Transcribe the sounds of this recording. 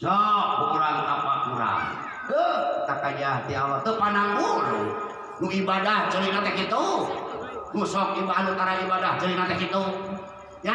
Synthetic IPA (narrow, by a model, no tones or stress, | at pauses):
d͡ʒɔpəkuɾaŋt̪apakuɾa̰ŋ | kət̪akad͡ʒat̪ialɔt̪əhpanaŋbuɾ̰ | nuibadahd͡ʒəlinat̪ɛkit̪u | musɔk̚ibaɦanut̪aɾaibadahd͡ʒəlinat̪ɛkit̪u | ja